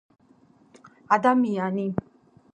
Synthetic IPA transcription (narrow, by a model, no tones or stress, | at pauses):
ad̪amijani